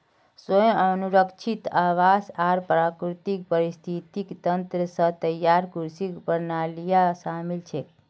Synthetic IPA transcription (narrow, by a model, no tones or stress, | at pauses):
səj̃ənuɾəkʃʰit̪aʋasaɾpɾakɾut̪ik̚pəɾist̪ʰit̪ikt̪ənt̪ɾəsə̃t̪əjːaɾkuɾsikpəɾnalijasamilt͡ʃʰe